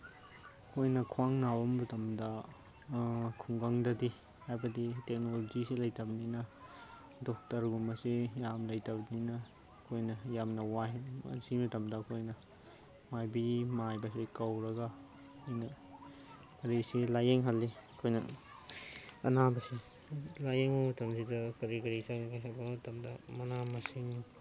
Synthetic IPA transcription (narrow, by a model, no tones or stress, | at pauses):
kʰojnɐkʰwaŋnabɐmːɐtɐmdɐ | kʰuŋɡɐŋdɐdi | hajbɐditek̚nolod͡ʒisilɐjtɐbninɐ | dok̚tɐɾɡumɐsijamlɐjtɐbninɐ | kʰojnɐjamnɐwaɦmɐ̰simɐtɐmdɐkʰojnɐ | majbimajbɐsikɐwɾɐɡa | kʰojnɐ | ɐɾisilajeŋɦalːikʰojnɐ̰ | ɐ̰nabɐsi | lajeŋotɐmsidɐkɐɾikɐɾisaikajsabɐtɐmdɐmɐnamɐsiŋ